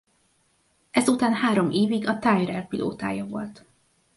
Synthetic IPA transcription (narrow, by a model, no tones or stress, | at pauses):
ɛzut̪aːnhaːɾo̞mʔeːviɡɒt̪aːjrɛlpilʔo̰ːt̪a̰ːjɒvo̞̰lt̪